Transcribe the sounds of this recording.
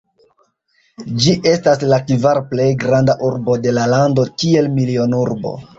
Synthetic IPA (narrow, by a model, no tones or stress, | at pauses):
d͡ʒiʔe̞staslakivaɾple̞jɡɾandaʔuɾbo̞de̞lalando̞kie̞lmilio̞nuɾbo̞̰